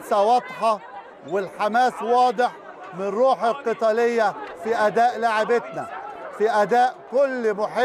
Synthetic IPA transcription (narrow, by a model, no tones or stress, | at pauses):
sawɑd̪ˤħɑ | wɪlħamaːswɑːd̪ˤɪħ | mɪnnrːuːħɪlqɨt̪ˤɑlɪjːafiʔad̪aːʔlaʕɪbɪt̪nafiʔad̪aːʔkʊlːmʊħɪ